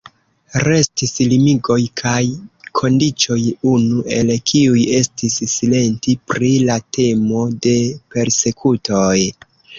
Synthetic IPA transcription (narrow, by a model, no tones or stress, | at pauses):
ɾe̞stislimiɡo̞jkʰajkʰo̞ndit͡ʃo̞junuʔe̞lkʰiuje̞stisːile̞ntipɾilatʰe̞mo̞de̞pe̞ɾse̞kʰutʰo̞j